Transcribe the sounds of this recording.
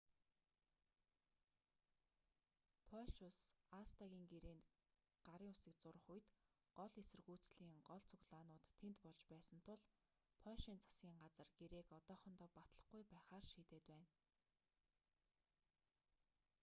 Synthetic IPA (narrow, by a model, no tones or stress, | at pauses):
pʰɔʃʊsast̪aɣʲiːŋɡeɾeːn | ɢ̥aɾiːŋʊsĭk̚t͡sʊɾə̆χuj̆t̪ | ɢɔɮesɘ̆rɣuːt͡sɮiːŋɢɔɮt͡sʰɵɣɮaːnʊːt̪ʰːent̪pɔɮt͡ɕpæːsə̆n̥t̪ʰʊɮ | pʰɔʃiːnt͡sʰḁsɡʲiːŋɢat͡sə̆rɡ̥eɾeːkɔt̪ɔːχɞ̆nt̪ɔːpat̪ɮə̆χɡujpæːχaːrʃiːt̪eːt̪pæːn